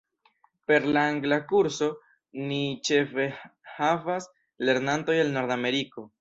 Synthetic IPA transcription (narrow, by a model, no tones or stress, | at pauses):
pe̞ɾlaaŋɡlakuɾso̞ | nit͡ʃe̞fe̞havas | le̞ɾnanto̞jelno̞ɾdame̞ɾiko̞